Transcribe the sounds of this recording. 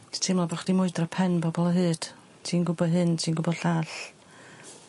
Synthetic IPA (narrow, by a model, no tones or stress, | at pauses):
tʰimlˠabɔχd̥imʊɨdrapʰɛnbɔbɔlˠəɦɨːd̥ | tʰiːnɡʊbɔɦɨntʰiːnɡʊbɔd̥ɬaːɬ